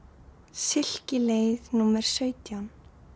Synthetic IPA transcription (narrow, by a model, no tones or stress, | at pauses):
sɪl̥cɪleːjðnuːmɛɾ̥sœːɥt̪jan